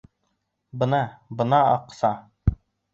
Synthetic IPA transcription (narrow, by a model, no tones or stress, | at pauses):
bɤ̆nɑbɤ̆nɑɑqsɑ